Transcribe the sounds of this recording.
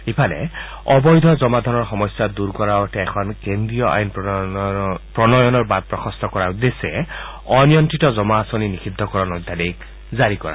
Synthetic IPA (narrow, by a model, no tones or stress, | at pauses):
ipʰalɛ̰ | ɔbɔjd̪ʱɔzɔmad̪ʱɔnɔɹxɔmɔsjad̪uɹkɔɹaɔtɛɛkʰɔnkend̪ɹijɔʔa̰jn | pɹɔnɔjɔnɔɹbad̪̚pɹɔxʰɔst̪ɔkɔɹaud̪esɛ | ɔnijɔntitɔzɔmaːsɔninikʰid̪ʱːɔkɔɹɔnɔjd̪ʱːadik | zaɹikɔɹa̰